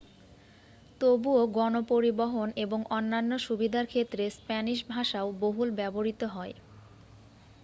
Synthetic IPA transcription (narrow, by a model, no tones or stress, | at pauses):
t̪obuoɡɔnopoɾiboɦoneboŋʔonːanːoʃubid̪ʱaɾkʰet̪ːɾespɛniʃbʱaʃaoboɦulbɛboɾit̪oɦɔe